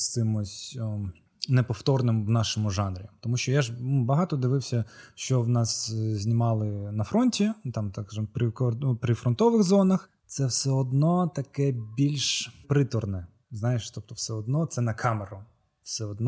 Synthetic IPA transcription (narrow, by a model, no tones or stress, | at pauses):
st̪ɪmʊsʲ | nɛpɔft̪ɔrnɪmwnɑʃɪmʊʒɑnɾʲit̪ɔmuʃʲt͡ʃɔjaʒnubɐɦɑt̪ɔd̪ɪʋɪwsʲɐʃt͡ʃɔwnɑszʲnʲimɑlˠɪnɐfɾɔnʲtʲit̪ɑmt̪ɑkʒmpɾɪkɔpɾɪfɾɔnt̪ɔʋɪɣzɔnɐx | t̪sɛwsɛɔd̪nɔt̪ɐkɛbʲilʲʃpɾɪt̪ɔrnɛ | znɑjeʃt̪ɔp̚t̪ɔwsɛɔd̪nɔt̪sɛnɐkʰɑmeɾʊ | wsɛɔd̪nɔ